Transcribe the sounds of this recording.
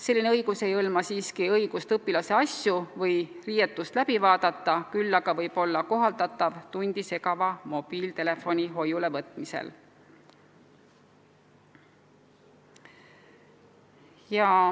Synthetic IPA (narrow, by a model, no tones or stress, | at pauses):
se̞lːineɤjɡ̥use̞jɤlmɑsiːskiɤjɡ̥ust̪ɤpːˑilɑse̞ɑsjuvɤjrije̞t̪ːˑust̪læb̥ivɑːd̪̥ɑt̪ːˑɑkylːɑɡ̥ɑvɤjb̥o̞lːɑko̞ɦɑld̪̥ɑt̪ːˑɑvt̪unʲd̪̥ise̞kɑvɑmo̞b̥iːlt̪e̞le̞fo̞nʲiɦo̞jule̞vɤt̪ˑmisḛl | jɑ